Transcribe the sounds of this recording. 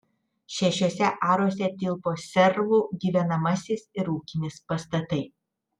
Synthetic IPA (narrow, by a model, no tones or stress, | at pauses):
ʃʲɛʃʲoːsʲɛʔɑːɾoːsʲɛt̪ʲɪlˠpoːsʲɛɾʋuːɡʲiːʋʲɛnɐmɐsʲɪsɪɾuːkʲɪnʲɪspɐst̪ɐt̪ɐɪ